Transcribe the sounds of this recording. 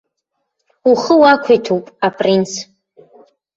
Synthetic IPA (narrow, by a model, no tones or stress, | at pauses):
uχəwakʷʰetʰupʼapʼrins